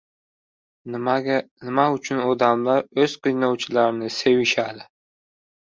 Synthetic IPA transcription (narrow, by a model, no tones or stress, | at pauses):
nanɪmaʊt͡ʃʰʊnɒd̪amlaɾɵz̥qʰɨjnɒwt͡ʃʰɪlaɾɪnɪse̞wɪʃad̪ɪ